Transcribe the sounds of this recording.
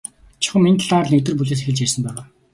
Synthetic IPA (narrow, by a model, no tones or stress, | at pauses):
t͡ɕʰɪχə̆mint̪ʰɮaːrnek̚t̪ɘ̆rp̬uɮeːs̬exɘ̆ɮt͡ɕærsə̆mpæːʁaː